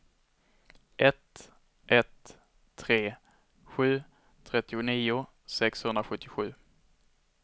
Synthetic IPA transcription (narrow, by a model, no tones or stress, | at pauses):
ʔɛt̪ | ʔɛt̪ʰː | ɾeː | ɧʉ̟ː | t̪ʰɾɛt̪ːɪʊniːʊ | sɛkshɵnd̪ɾaɧɵt̪ːɪɧʉ̟ː